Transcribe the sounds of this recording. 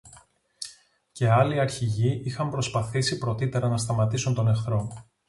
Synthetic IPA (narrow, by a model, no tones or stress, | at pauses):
ce̞ɐliɐɾçiʝiixɐmpɾo̞spɐθisipɾo̞t̪it̪e̞ɾɐnɐst̪ɐmɐt̪isunt̪o̞ne̞xθɾo̞